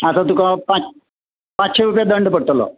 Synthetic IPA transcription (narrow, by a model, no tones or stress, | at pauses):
asat̪̬ũkapãt͡s | pãt͡sɕeɾupjad̪əɳɖpəɽ̚t̪əlɔ̰